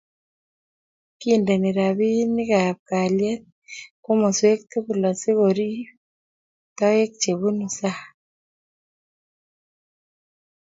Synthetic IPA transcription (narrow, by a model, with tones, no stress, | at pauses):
kinde˨ne˨ɾa˨βi˦ni˦ɣapka˨lje˦t̚ | ko˦mo˨swe˦kte˦ɣu˨la˨si˦ɣoɾi˦ | tɔ˦e˦kt͡ʃe˨βu˦nu˨sa˦